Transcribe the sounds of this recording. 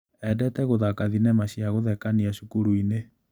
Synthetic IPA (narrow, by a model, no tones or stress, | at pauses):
ɛdɛtɛɣoðakaðinɛmaɕiaɣoðɛkaniaʃukuɾuine